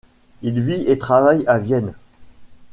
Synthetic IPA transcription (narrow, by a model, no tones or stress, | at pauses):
ilviet̪χavajavjɛn